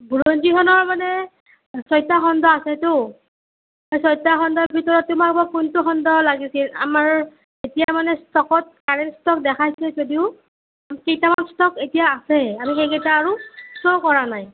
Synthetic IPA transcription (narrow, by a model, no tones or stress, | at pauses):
buɹonzikʰɔnɔɹmanɛ | sɔjtaxɔndɔasɛtʊ | ajsɔjtaxɔndɔt̚bʱitɔɹɔtːʊmak̚bakuntʊxɔndɔlaɡisila̰maɹ | etijamanɛstɔkɔt̚kaɹɛnstɔkdɛkʰajsɛzodiʊ | amikejtamanstɔketijaːsɛamixejketaːɹutokɔɹanaj